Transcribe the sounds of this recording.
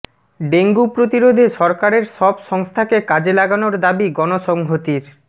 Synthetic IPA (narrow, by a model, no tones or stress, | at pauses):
ɖeŋɡupɾot̪iɾod̪ʱeʃɔɾkaɾeɾʃɔbʃɔŋst̪ʰakekad͡ʑelaɡanoɾd̪abiɡɔnoʃɔŋɦot̪iɾ